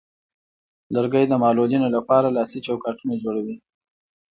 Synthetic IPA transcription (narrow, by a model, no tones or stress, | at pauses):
ləɾɡəjd̪əmɑlolinolapɑɾalɑsit͡ʃawkɑʈunad͡ʒoɽawi